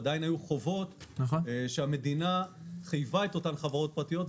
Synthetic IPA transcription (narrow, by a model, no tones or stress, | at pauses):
d̪ajinajuχo̞vo̞tnaχoʃeame̞dinaχijvae̞to̞tanχavaʁo̞t̚pʁat̪ijo̞t